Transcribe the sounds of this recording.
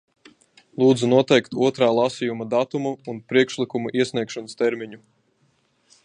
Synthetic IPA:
lˠuːd̪zunuɔt̪ɛjkt̪uɔt̪ɾaːlˠasijumad̪at̪umuunpɾiɛkʃlikumuʔiɛsʲniɛkʃɔnɨst̪ɛɾmiɲu

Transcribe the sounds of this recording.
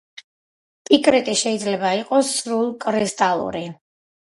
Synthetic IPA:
pʼikʼɾɛt̪ʼiʃɛid̪zlɛbaiqʼɔsːɾulˠkʼɾɛst̪ʼalˠṵɾi

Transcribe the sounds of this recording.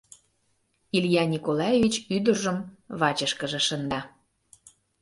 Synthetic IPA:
ilʲjɑnʲikolɑjevʲit͡ɕyd̪ərʒə̆mβɑt͡ɕəʃkəʒĕʃənd̪ɑ

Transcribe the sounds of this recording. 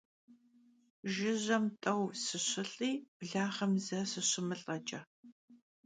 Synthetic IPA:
ʒɪʑɐmtʼɐwsɨɕɪɬʼiːb̥ɮaːχɐmzɐsɨɕɪmɨɬʼɐt͡ʃʼɐ

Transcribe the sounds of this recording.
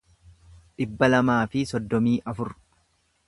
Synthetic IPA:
ᶑɪbːɐlɐmaːfɪsɔd̪ːɔmiːʔɐfʊɾ

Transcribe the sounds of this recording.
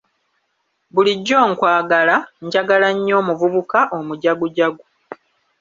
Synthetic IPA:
βuliɟːo̞ːŋkwaːɡalaɲɟaɡalaɲːo̞ːmuvuβukaʔomuɟaɡuɟaɡu

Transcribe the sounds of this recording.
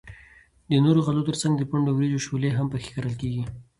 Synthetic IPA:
d̪ənoɾoɣalot̪əɾt͡saŋɡd̪əpaɳɖowɾed͡ʒoʃoleɦampəxe̥kaɾəlkeɡi

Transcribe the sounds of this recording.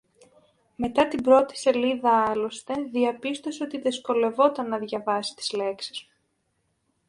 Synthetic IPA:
me̞t̪ɐt̪ibɾo̞t̪i̥se̞liðɐɐlo̞st̪e̞ðiɐpist̪o̞seo̞t̪iðesko̞le̞vo̞t̪ɐnːɐðʝɐvɐsi̥t̪i̥zle̞ksi̥zmu

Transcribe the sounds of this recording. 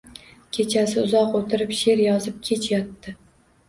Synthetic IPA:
kʲʰe̞t͡ʃʰasɪʊzɒqot̪ʰɪɾɪpʃe̞ɾjɒzɪp̚kʲʰe̞t͡ʃʰjɒt̪ːɪ

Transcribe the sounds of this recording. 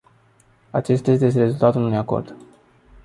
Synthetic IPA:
at͡ʃe̞st̪aje̞st̪ejest̪eɾe̞zult̪at̪ulnunujako̞̰rd̪̥

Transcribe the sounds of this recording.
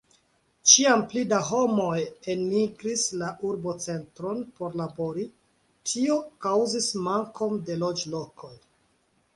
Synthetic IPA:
t͡ʃiamplidaɦo̞mo̞je̞nːiɡɾislaʔuɾbo̞t͡se̞ntɾo̞npo̞ɾlabo̞ɾi | tʰio̞kawzismaŋko̞nde̞lo̞d͡ʒlo̞kʰo̞j

